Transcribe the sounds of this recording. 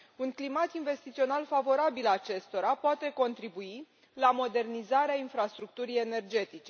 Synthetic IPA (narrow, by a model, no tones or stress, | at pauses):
unklimat̪inve̞st̪it̪sio̞nalfavo̞ɾabilat͡ʃe̞st̪o̞ɾapoat̪e̞ko̞nt̪ɾibui | lamo̞d̪e̞rnizaɾeainfɾast̪ɾuk̚t̪uɾije̞ne̞rd͡ʒe̞t̪it͡ʃe̞